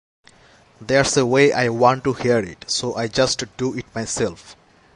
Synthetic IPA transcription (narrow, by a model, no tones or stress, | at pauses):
d̪eɾsəweʔa̰ɪwɔ̃ɳʈːuhiəɾɪ̰ʈsoːʔajd͡ʒʌsʈɖ̥uɪʈ̚maɪsɛlf